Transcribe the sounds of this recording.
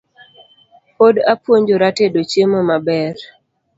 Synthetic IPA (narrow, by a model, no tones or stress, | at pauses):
podapwoɲd͡ʒoɾatedot͡ʃjemomabɛɾ